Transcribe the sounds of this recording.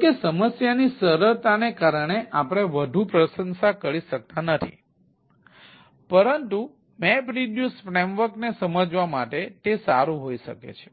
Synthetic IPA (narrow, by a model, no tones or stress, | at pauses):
kesəməsjanisəɾəɭt̪anekaɾəɳ̃eʔapɽ̃eʋəd̪ʱupɾəʃənsakəɾiʃək̚t̪anət̪ʰḭ | pəɾənt̪u | mɛpɾiɖjusfɾemʋəɾknesəməd͡ʒʋamaʈet̪esa̰ɾũɦoiʃəkḛt͡ʃʰe̥